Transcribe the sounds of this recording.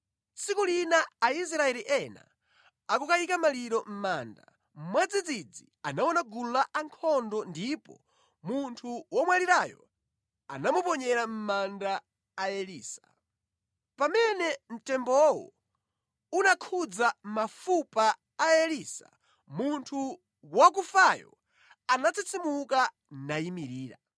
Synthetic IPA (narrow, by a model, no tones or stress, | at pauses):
sikulinaːis̬ɾaɛliʔɛna̰ | akukajikamaliɾɔm̩maːnda̰ | m̩mwad͡zid͡zid͡zi | anawɔnaɡulaʔaŋkʰɔndɔndipɔ̰ | muntʰuwɔmwaliɾajɔ̰ | a̰namupɔɲɛɾam̩mandaː | ɛliːsḁ | pamɛnɛm̩tɛmbɔwɔ̰ | unakʰud͡zam̩mafupaː | ɛlisa̰ | muntʰu | wak̬ufajɔ̰ | anat͡sʰit͡sʰimuka | najimiɾiːɾa̰